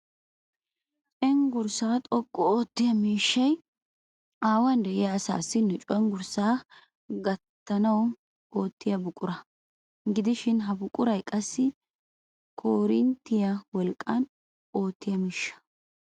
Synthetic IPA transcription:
t͡ʃʼɛŋɡʊɾsaːt̪ʼɔkʼːɔoːt̪ːɪjɐmiːʃːɐj | aːwɐnd̪ɛʔɪjaːsa̰ːsːɪnːɛt͡ʃʼɔŋɡʊɾsaː | ɡɐt̪ːɐnɐw | oːt̪ːɪjɐbʊkʼʊɾɐ | ɡɪd̪ɪʃɪnɦɐbʊkʼːʊɾɐjkʼɐsːɪ | kʰoːɾɪnt̪ːɪjɐwɔlkʼːɐn | o̞ːt̪ːɪjɐmiːʃːɐ̥

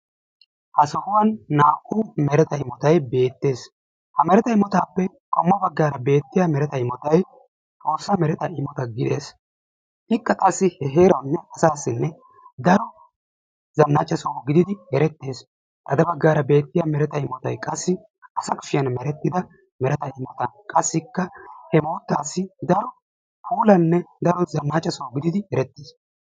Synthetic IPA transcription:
hɐsɔhʊwɐnːaːkːʊmɛɾɛt̪ɐɪmɔt̪ɐjbe̞ːt̪ːe̞ːs | hɐmɛɾɛt̪ɐɪmɔt̪aːpːɛ | kʼɔmːɐbɐɡːaːɾɐbe̞ːt̪ːɪjamɛɾɛt̪ɐɪmɔt̪ɐj | t̪ʼo̞ːsːɐmɛɾɛt̪ɐʔɪmɔt̪ɐɡɪd̪e̞̰ːs | ɪkːɐkʼɐsːɪhɛɦe̞ːɾɐwnːɛɐsaːsːɪnːɛ | d̪ɐɾɔ | zɐnːaːt͡ʃʼːɐsɔwɡɪd̪ɪd̪ɪhɛɾɛt̪ːe̞ːs | ʔɐd̪ɐbɐɡːaːɾɐbe̞ːt̪ːɪjamɛɾɛt̪ɐɪmɔt̪ɐjkʼɐsːɪ | ɐsɐkʼʊ̥fɪjɐnmɛɾɛt̪ːɪd̪ɐ | mɛɾɛt̪ɐɪmːɔt̪ɐnkʼɐsːɪkːɐhɛmo̞ːt̪ːaːsːɪd̪ɐɾɔ | pʰuːlɐnːɛd̪ɐɾɔzɐnːaːt͡ʃʼːɐsowɡɪd̪ɪd̪ɪhɛɾɛt̪ːis

